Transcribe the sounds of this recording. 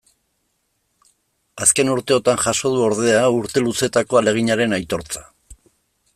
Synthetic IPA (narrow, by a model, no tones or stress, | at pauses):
aske̞nuɾt̪e̞o̞t̪anʝaʃo̞ð̞uo̞ɾðe̞auɾt̪e̞luse̞t̪ako̞ale̞ɣ̞iɲaɾe̞najt̪o̞ɾt͡sḁ